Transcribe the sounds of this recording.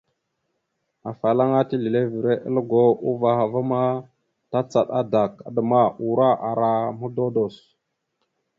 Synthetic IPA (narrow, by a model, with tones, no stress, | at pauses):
a˨fa˨la˦ŋa˦ti˦li˨le˦vi˨ɾe˦ʔə̰˦lə˦ɡo˦u˦va˨xa˨va˦ma˦ | ta˦t͡sa˨ɗa˦da˨k̚a̰˨də˨ma˦u˨ɾa˦ʔa˨ɾa˨mu˦do˦do˨s